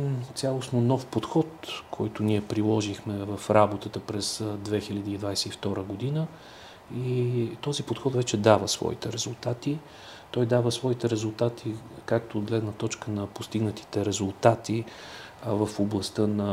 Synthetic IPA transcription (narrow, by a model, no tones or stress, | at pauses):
t̪sʲalˠosnonɔfpot̪xɔt̪kʰɔjt̪ʊniɛpɾilˠɔʒixmɛvəfɾabot̪ət̪əpɾɛsd̪vɛxiʎʲəd̪iːd̪vajsɛift̪ɔɾəɡod̪inə | it̪ɔzipot̪xɔt̪vɛt͡ʃɛd̪avəsvɔ̰it̪ɛɾɛzʊlˠt̪at̪i | t̪ɔjd̪avəsvɔit̪ɛɾɛzʊlˠt̪at̪ʰikak̚t̪oːd̪̚ɡlɛd̪nət̪ɔt͡ʃkənɐpost̪iɡnət̪i̥t̪ɛɾɛzʊlˠt̪at̪i | vəfoblˠɐst̪ɤnɐ